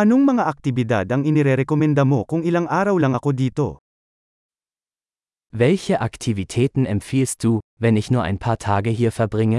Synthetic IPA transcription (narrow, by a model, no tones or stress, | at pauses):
anoŋmɐŋaʔak̚t̪ɪvid̪a̰d̪ɐŋɪniɾɛɾɛkomɛnd̪amokʊŋɪlaŋʔaːɾawlaŋɐkod̪iːt̪o̰ | vɛlçəʔaktʰivitʰɛːtn̩ɛmfiːlst̚d̥uːvɛnɪçnuːɐʔa̰ɪnpʰaːɐtʰaːɡəɦiːɐfɛɐbʁɪŋə